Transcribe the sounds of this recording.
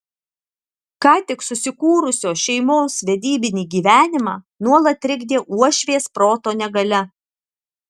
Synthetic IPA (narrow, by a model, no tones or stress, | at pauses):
kɑːt̪ʲɪksʊsʲɪkuːɾʊsʲoːʃʲɛɪmoːsʋʲɛd̪ʲiːbʲɪnʲiːɡʲiːʋʲæːnʲɪmɑː | nuɔlˠɐt̪ʲɾʲɪɡʲd̪ʲeːʔuɔʃʲʋʲeːspɾoːt̪oːnʲɛɡɐlʲɛ